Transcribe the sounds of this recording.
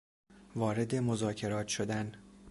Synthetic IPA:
vɒːɾe̞d̪e̞mo̞zɒːcʰe̞ɾɒːt̪ʰʃo̞d̪æn

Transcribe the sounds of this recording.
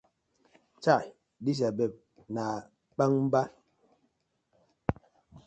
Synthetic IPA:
t͡ʃa | dis̬abɛp̚ | na | k͡paŋm̩ba

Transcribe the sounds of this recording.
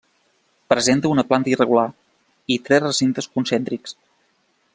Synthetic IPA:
pɾəzent̪əunəplant̪əirəɣula | it̪ɾɛsrəsint̪əskunsɛnt̪ɾiks

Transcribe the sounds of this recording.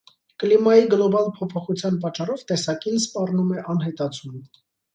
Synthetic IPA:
klimɑjiɡlɔbɑlpʰɔpʰɔχut͡sʰjɑnpɑt͡ʃːɑrɔvt̪ɛsɑkinspɑrnumɛʔɑnɦɛt̪ɑt͡sʰun

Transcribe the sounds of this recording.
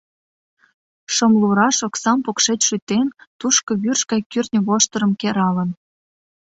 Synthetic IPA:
ʃəmluɾɑʃoksɑmpokʃet͡ɕʲʃyt̪ent̪uʃkɤ̆βyrʃkɑjkyrnʲə̆βoʃt̪əɾə̆mkeɾɑlə̆n

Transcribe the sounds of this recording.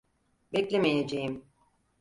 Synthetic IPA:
bɛclʲemejed͡ʒejim

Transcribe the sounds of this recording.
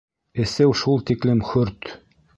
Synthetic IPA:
ɘ̆sɘwʃulˠt̪iklɘmχɵɾt̪

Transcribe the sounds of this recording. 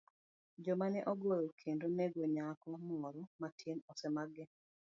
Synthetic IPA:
d͡ʒɔmanɛʔɔɡojokʰendonɛɡoɲakɔmɔɾɔmatʰenɔsɛmaɡɛ

